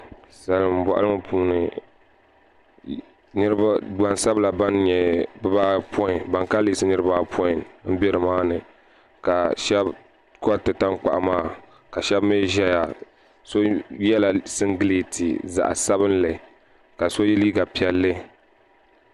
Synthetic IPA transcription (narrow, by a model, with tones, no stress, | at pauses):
sa˨lɨ˨m˨ba̰˨ʔa̰˦lɨ˦m˦pʰuː˦nɨ˨ | nɨ˦ɾɨ˦ba˦da˨nsa˦bla˨ba˦nɲɛ˨bɨ˦baː˦pʰɔ˦ɪ˨nba˨ŋka˦liː˦sɨ˦nɨ˦ɾɨ˦ba˦pʰɔ˦ɪ˨nm̩˦bɛ˦ɾɨ˨maː˦nɨ˨ | ka˨ʃɛ˦b | ko˦a˦tɨ˨ta˦ŋk͡pa̰˨ʔa˨maː˦˨ | ka˨ʃɛ˦bme˦ʒɛ˦ja˨ | so˦jɛ˦la˨sɨ˦ŋɡɨ˦leː˨tʰi˨za̰˨ʔa̰˨sa˦bɨ˦nlɨ˨ | ka˨so˦jɛ˦liː˦ɡa˨pi˨ɛ˨lːɨ˦